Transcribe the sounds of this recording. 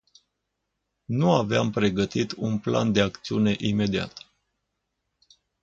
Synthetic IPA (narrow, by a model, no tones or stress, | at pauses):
nuaveampɾe̞ɡət̪it̪unpla̰nd̪e̞akt̪siune̞ʔime̞d̪ia̰t̪